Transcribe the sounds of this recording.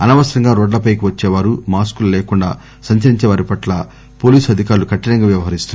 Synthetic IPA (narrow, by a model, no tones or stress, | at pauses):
ɐnɐʋɐsɾɐŋɡaːɾo̞ːɖlɐpɐjk̬iʋɐt͡ʃːɛːʋaːɾumaːskulɐleːkuɳɖaː | sɐɲt͡ʃɐɾiɲt͡ʃɛːʋaːɾipɐʈlɐ | po̞ːliːsɐd̪ʱikaːɾulukɐʈːinɐŋɡaːʋjɐʋɐɦɐɾist̪un